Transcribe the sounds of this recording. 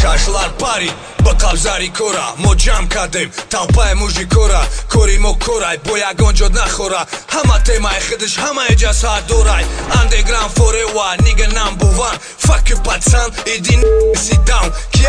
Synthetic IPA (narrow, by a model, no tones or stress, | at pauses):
kʰaʃlˠaɾpʰaɾi | bəqabzaɾikʰoɾa̰mod͡ʒamkʰad̪emt̪ʰawpajmuʒikʰoɾakʰoɾimokʰoɾajbojaɡond͡ʒod̪naχoɾahɐmat̪ʰemajχəd̪ɨʃhɐmajid͡ʒasad̪oɾajand̪eɡɾanfoɾewaniɡɐnambuvan | fakʰɨpat͡sanid̪insid̪awnkʰi